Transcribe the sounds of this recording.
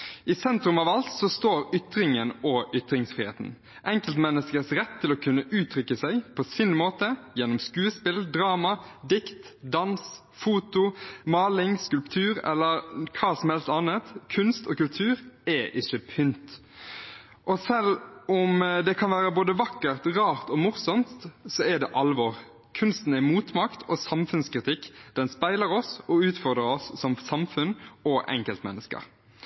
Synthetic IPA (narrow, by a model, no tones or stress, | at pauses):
ʔɪsɛnt̪ɾʉmɑʋɑlt̪sɔst̪oːɾʏt̪ɾɪŋənɔʔʏt̪ɾɪŋsfɾiːhḛːt̪n̩ | ʔɛŋkəlt̪mɛnːəskəsɾɛt̪ʰːɪlɔkʰʉnːəʔʉːt̪ʰɾʏkːəsæɪpʰɔsɪnmoːt̪əjɛnːɔmskʉːəspɪld̪ɾɑːmɑd̪ɪkt̪d̪ɑns | fuːt̪ʊmɑːlɪŋskʉlpt̪ʰʉːɾɛ̰lːəɾkʰɑːsɔmhɛlst̪ɑːnət̪kʰʉnst̪okʉlt̪ʰʉːɾɛʔɪçəpʰʏnt̪ | ʔɔsɛlʊmd̪ɛkʰɑnʋæːɾəboːd̪əʋɑkːəʁt̪ʁɑːʁt̪ɔmʊʁsɔmt̪sɔɛd̪ɛʔɑlʋɔʁ | kʰʉnst̪n̩ɛmuːt̪mɑkt̪ʰɔsɑmfʉnskɾɪt̪ʰɪkːd̪̥ɛnspæɪləɾɔsɔʉːt̪fɔʁd̪ɾəɾɔsːɔmsɑmfʉnɔʔɛ̰ŋkəlt̪mɛ̰nːəskə̰ɾʁ